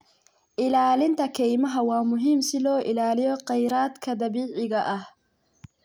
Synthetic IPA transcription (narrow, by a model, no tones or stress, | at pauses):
ʔɪlaːlɪnt̪ʰɐkʰɛjmɐɦɐwɑːmʊɦiːmsɪlɔːʔɪlaːlɪjɔqɛjɾaːd̪kʰɐd̪ɐβiːʕɪɣɐʔɐh